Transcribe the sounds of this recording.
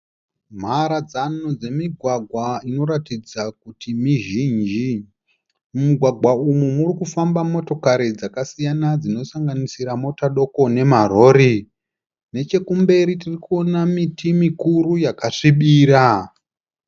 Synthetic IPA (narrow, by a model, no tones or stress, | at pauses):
m̤aɾad͡zanud͡ze̞miɡʱwaɡʱwaino̞ɾatid͡zak̚utimiʒiːnd͡ʒi | muɡʱwaɡʱwaumumurikufambamo̞to̞kaɾid͡zakasijanad͡zino̞saŋɡanisiɾamo̞taɗo̞ko̞ne̞maro̞ːɾi | ne̞t͡ʃe̞kumbe̞ɾitirikuo̞namitimikuɾujakaʂiɓiːɾa